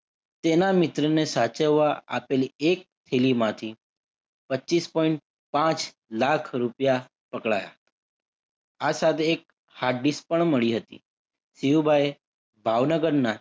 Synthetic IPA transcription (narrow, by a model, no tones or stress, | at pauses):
t̪enamɪt̪ɾənesat͡ʃəʋːaapeliek̚t̪ʰelimãt̪ʰi | pəːt͡ʃispɔiɳʈ̚ | pãt͡ʃ | lakʰɾupja | pəkɭa̰ja̰ | asat̪ʰeːk̚ | haɾɖispəɳməɭiɦət̪ḭ | siubʱae | bʱaʋnəɡəɾna